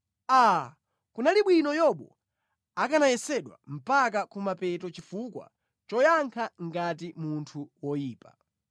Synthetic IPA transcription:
a | kunaliɓwinɔjɔɓɔ | akanajɛsɛɗwa̰m̩pak̬akumapɛtɔt͡ʃifukwa̰ | t͡ʃɔjaŋkʰaŋɡat̬imuntʰuwɔjiːpa

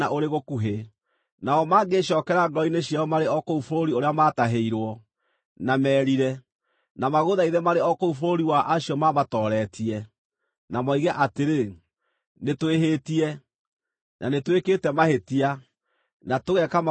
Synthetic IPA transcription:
aʔoɾeɣokuɦe | naɔmaːɡeɕɔːkɛɾaŋɡɔineɕjaɔmaɾeɔkoufoɾoɾioɾeamataɦeiɾwɔ | namɛːɾiɾɛ | namaɣoðaiðɛmaɾeɔkoufoɾoɾiwaʔaɕiɔmaβatɔːɾɛtiɛ | namɔiɣɛʔateɾe | netweɦetiɛ | nʔa̰netwekeːtɛmahetia | natoɣɛkam

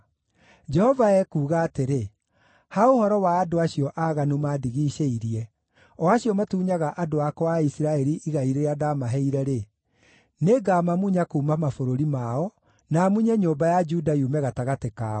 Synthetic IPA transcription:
d͡ʒɛhɔvaɛkuːɣaːteɾe | haohɔɾɔwaːdoaɕiɔʔaɣanumaːdiɣiːʃeiɾiɛ | ɔaɕiɔmatuːɲaɣaʔadoakɔwaisiɾaɛɾiʔiɣaiɾeɾeadamaɦɛiɾɛɾe | neɡaːmamuɲakoːmamafoɾoɾimaɔ | namuɲɛɲoːmbajad͡ʒudajumɛɣataɣatekaːɔ

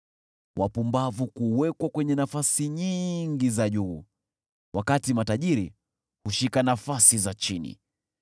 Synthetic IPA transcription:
wʔapumbavukuwɛkwakwɛɲɛnafasiɲiŋɡizaʄuː | wʔakatimataʄiɾi | huʃikanafasizat͡ʃinḭ

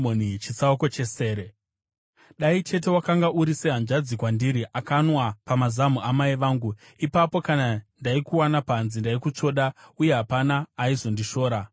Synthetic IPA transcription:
monit͡ʃit͡sauko̞t͡ʃe̞se̞ːɾe | ɗait͡ʃe̞t̬e̞wakaŋɡaʔuɾiseɦand͡ʒad͡zikwandiɾiʔakanwapamazamuʔamaiʋaːŋɡu | ipapo̞kanandaikuwanapanzindaikut͡ʂo̞ɗauje̞ɦapanaːizo̞ndiʃo̞ːɾa

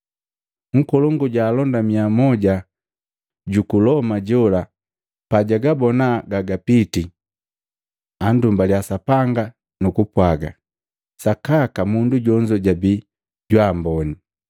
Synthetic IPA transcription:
ŋ̩kɔlɔŋɡuɟaːlɔndamiamɔɟa | ɟukulɔmaɟɔla | paɟaɡabɔnaɡaɡapiti | andumbaljasapaŋɡa | nukupwaɡa̰ | sakakamunduɟɔɲd͡ʒɔɟabi | ɟwaːmbɔni

